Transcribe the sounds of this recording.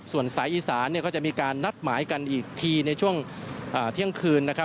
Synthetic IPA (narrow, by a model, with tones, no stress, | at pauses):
su˨˩ənsaː˩˦jʔiː˧saː˩˦nːi˥˩kɔː˥˩t͡ɕa˨˩ʔmiː˧kaː˧nːa˦˥˩t̪̚maː˩˦jka˧nʔiː˨˩k̚t̪ʰiː˧na˧jt͡ɕʰu˥˩əŋʔaː˨˩t̪ʰi˥˩əŋkʰɯː˧nːa˦˥kʰa˦˥